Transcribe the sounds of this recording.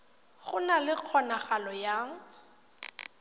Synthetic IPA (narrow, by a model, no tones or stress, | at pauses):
χʊnalɪq͡χʰɔnaχalɔjaŋ̩